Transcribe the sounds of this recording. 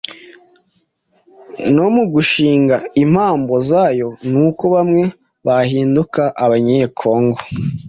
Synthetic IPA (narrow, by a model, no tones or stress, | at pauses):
no̞muɡuʃiːŋɡaim̥haːmbo̞zaːjo̞nuːko̞βamŋe̞ | βahiːndukaʔaβaɲekʰo̞ːŋɡo